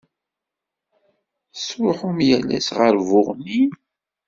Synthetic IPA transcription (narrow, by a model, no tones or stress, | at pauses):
sʊħumjælːæ̰sʁəɾvʊʁnin